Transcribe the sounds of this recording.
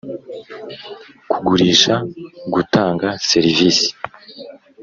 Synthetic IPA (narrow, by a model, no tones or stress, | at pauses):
kuɡuɾiːʃaɡutaːŋɡase̞ɾiviːsi̥